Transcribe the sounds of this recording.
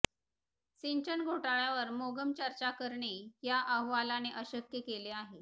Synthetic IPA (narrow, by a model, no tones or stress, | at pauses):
siɲt͡ɕəɳɡʱoʈaɭjaʋəɾmoɡəmt͡ɕəɾt͡ɕakəɾɳijaʔəɦʋalaneʔəɕəkjəkeleaɦe